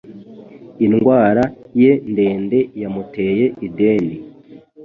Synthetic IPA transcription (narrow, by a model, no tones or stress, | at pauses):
inɡwaːɾaje̞nde̞ːnde̞jamute̞ːje̞ʔideːni